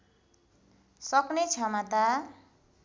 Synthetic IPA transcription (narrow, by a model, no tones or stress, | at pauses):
sʌknet͡sʰʌmat̪a